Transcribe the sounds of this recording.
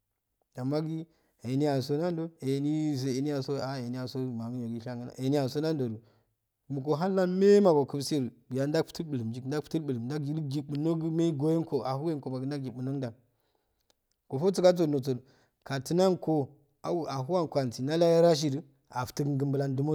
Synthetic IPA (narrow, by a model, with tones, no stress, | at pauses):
ja˨mːa˦ɡi˦ | e˨ni˦ja˨so˦na˦n˦do˦e˨ni˦˨s̬o˨e˨ni˦a˨so˦a˨e˨ni˦ja˨so˦˨ma˨ŋ˦jo˨ɡi˦ʃa˦ŋɡə˦na̰˨ʔe˨ni˦ja˨n˨so˦na˦n˦do˨ɾu˨ | mu˨ko˨ɦa˦lːa˦nme˦ma˨bo˨kə˦bse˦ɾbi˨ja˨n˦da˦pu̥˦tə˦lɓɨ˨lɨ˨md͡ʒi˦˨da˦pu̥˦tu˦lɓɨ˨lə˨mda˦ki˦lɡi˨ɓu˨no˦ɡu˦me˦i˦ɡo˦je˦n˦ko˨a˨ɦu˦e˦nko˨ba˨ɡi˨nda˦ɡ̚ɡi˨bu˨no˦ɡda˨ | ko˨fo˦t͡su˦ka˦t͡s̬o˨no˨t͡so˨l | ka˨ti˨˦na˦nko˨ | a̰˨u˨a˨ɦu˦wa˦nko˨a˨nti˨na˦la˦ja˦ɾa˦ʃ̬i˦ɾi˨ | a˨ftə˦ɡɡɨ˦mbɨ˦la˦ndu˦mo˦˨